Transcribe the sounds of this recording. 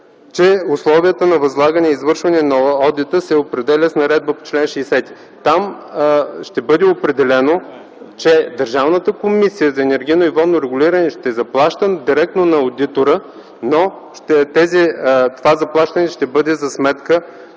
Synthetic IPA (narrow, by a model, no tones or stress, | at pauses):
t͡ʃɛʊslˠɔvijət̪ənɐvɐzlˠaɡənɛizvɤɾʃvɐnɛnɐɔd̪it̪əsɛopɾɛd̪ɛlʲəsnɐɾɛd̪̚bəpo̥t͡ʃlɛnʃɛːsɛt̪i̥ | t̪am | ʃt̪ɛbɤd̪ɛopɾɛd̪ɛlɛno | t͡ʃɛd̪əɾʒavnət̪əkomisijəzɐɛnɛɾɡʲijnoivɔd̪noɾɛɡʊlʲiɾɐnɛʃt̪ɛzɐplˠaʃt̪əd̪iɾɛk̚t̪nonɐod̪it̪oɾə | no | ʃt̪ɛt̪ɛzit̪ovazɐplˠaʃt̪ɐnɛʃt̪ɛbɤd̪ɛzɐsmɛt̪kə